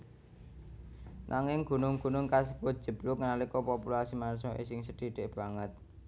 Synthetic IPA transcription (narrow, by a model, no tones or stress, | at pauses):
nʔaŋɪŋɡ̥ṳnʊŋɡ̥ṳnʊŋkasəbʊt̪̚d̥ʒ̥ə̤b̥lʊŋnalikɔpopulasimansɔʔḛsɪŋsəɖ̥i̤ɖ̥ɪʔb̥a̤ŋət̪̚